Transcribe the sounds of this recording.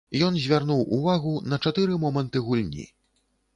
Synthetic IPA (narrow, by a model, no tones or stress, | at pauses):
jɔnzʲvʲarnuwṵvaɣunɐt͡ʂat̪ɨɾɨmɔmɐnt̪ɨɣulʲnʲḭ